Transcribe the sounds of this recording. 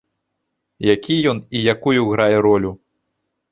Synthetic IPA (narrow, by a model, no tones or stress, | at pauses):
jakʲijɔnijakujuɣɾajɛɾɔlʲu